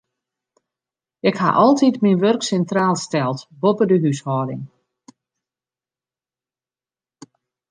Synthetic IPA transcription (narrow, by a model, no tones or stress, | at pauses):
ɪkha̰ʔɔlˠtitminʋørksɛntraːlˠstɛlˠtbopədəɦyshɔːdɪ̰ŋ